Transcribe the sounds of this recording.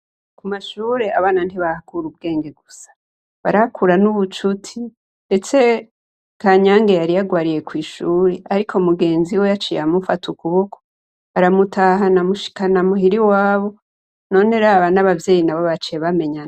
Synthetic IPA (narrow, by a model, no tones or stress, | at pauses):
kumaʃuːɾe̞aβaːnan̥tiβahakuɾub̚ɡe̞ːŋɡe̞ɡusḁ | βaɾahakʰuɾanuβut͡ʃutʰi | nde̞t͡se̞ | kʰaɲaːŋɡe̞jaɾijaɡwaːɾije̞kwiːʃuːɾeaɾikʰomuɡe̞ːnziwe̞jat͡ʃijamufatukuβokʰo̥ | aɾamutʰaɦanamuʃi̥kanamuɦiɾiwaːβo̞ | no̞ne̞ɾaːβanaβavje̞ːjinaβoβat͡ʃieβame̞ɲa